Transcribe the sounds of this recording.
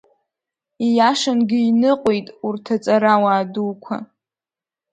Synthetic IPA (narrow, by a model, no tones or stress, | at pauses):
ijaʂanɡʲɪinɨqʼejtʼurtʰat͡sʼaɾawaːduːkʷʰa̰